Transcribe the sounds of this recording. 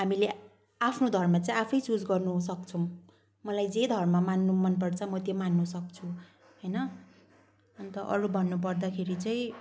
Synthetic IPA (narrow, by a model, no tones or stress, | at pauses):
ɦamile | apʰnod̪ʱʌrmat͡saĩapʰʌjt͡sud͡zɡʌrnusʌkt͡sʰʌw | mʌlajd͡zed̪ʱʌrmamanːumʌnpʌrt͡sʰʌmʌt̪jomanːusʌk̚t͡sʰu | ɦʌjnʌ | ʌnt̪ʌʔʌ̰ɾubʱʌnːup̬ʌrd̪akʰeɾit͡saĩ